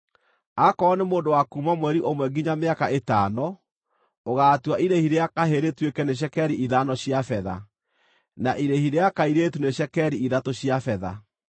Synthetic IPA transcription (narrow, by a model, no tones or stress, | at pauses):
akɔːnemoːndowakumamwɛɾiʔomwɛɡiɲameakaetaːnɔ | oɣatwaʔiɾehiɾeakaɦeɾetwekɛneɕ̬ɛkɛɾiiðanɔɕjafɛða̰ | naʔiɾehiɾeakaiɾetuneɕɛkɛɾiiðatoɕjafɛða̰